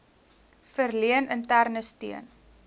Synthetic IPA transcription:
fərliənəntærnəstiən

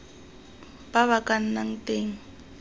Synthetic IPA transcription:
baβakʼan̩naŋ̩tʼeːŋ̩

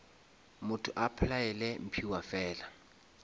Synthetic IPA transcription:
mʊtʰʊʔapʰlaɛlɛm̩pʰiwafɛːla

